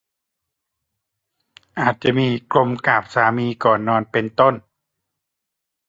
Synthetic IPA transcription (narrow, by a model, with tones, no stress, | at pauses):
ʔaː˨˩t̪̚t͡ɕa˨˩˨miː˧klo˧mkaː˨˩p̚saː˨˩˦miː˧kɔː˨˩nːɔː˧npe˧nt̪o˥˩˨n